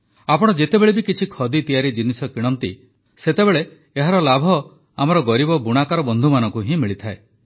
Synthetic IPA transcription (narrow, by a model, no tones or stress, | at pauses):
apɔɽ̃ɔd͡ʒet̪ebeɭebikit͡ʃʰikʰɔd̪it̪ijaɾid͡ʒinisɔkiɽ̃ɔnt̪ḭ | set̪ebeɭeː | ɦaɾɔlabʱɔ | amɔɾɔɡɔɾibɔbuɽ̃akaɾɔbɔnd̪ʱumanɔ̃ŋkuɦĩmiɭit̪ʰae